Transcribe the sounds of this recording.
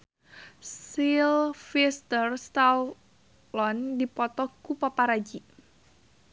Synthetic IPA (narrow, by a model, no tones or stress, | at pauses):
silfist̪ərst̪al | lɔndipɔt̪ɔkupapaɾad͡ʒi